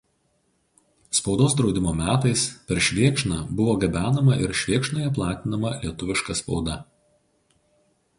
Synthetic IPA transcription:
spɒʊd̪oːs̬d̪ɾɒʊd̪ʲɪmoːmʲæːt̪ɐɪspʲɛɾʃʲʋʲiɛkʃnɑːbʊʋoːɡʲɐbʲæːnɐmɐʔɪ̰ɾʃʲʋʲiɛkʃnoːjɛplˠɑːt̪ʲɪnɐmɐlʲiɛt̪ʊʋʲɪʃkɐspɒʊd̪ɐ

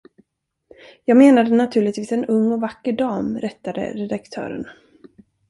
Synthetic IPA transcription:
jɑːɡmeːnad̪ənat̪ʰʉ̟ːɭɪt̪viːsɛnɵŋːɔvakːəɖɑːmɾɛt̪ːad̪ə̰ɾɛd̪akt̪ʰœ̰ːɾə̰n

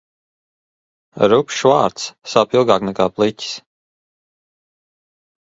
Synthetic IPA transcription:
ɾupʲʃvaːɾt̪ssawpilˠɡaːknɛkaːplˠicʲi̥s

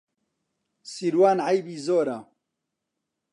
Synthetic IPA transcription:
siɾwaːnʕajbiːzoːɾa

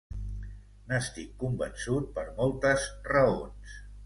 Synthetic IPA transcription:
nəst̪ikːumbə̰nsut̪̚pəɾmolˠt̪əzrəo̰ns

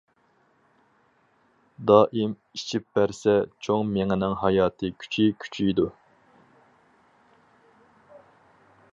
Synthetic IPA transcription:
d̪ɑːʔim | it͡ʃʰip̚bæɾsɛt͡ʃʰoŋmeŋɪnɪŋɦɑjɑːt̪ʰɨkʲʰy̥t͡ʃʰikʲʰy̥t͡ʃʰid̪u

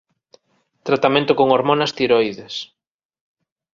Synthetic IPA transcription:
t̪ɾat̪amẽnt̪okoŋoɾmõnɐst̪iɾojðes

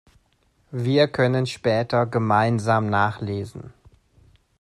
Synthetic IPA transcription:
viːɐkʰœnənʃpɛːtʰɐɡəmaɪnzaːmnaːχleːzn̩

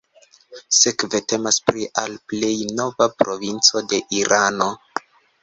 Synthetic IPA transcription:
se̞kve̞te̞maspɾiʔalple̞jno̞vapɾo̞vint͡so̞de̞ʔiɾʔano̞

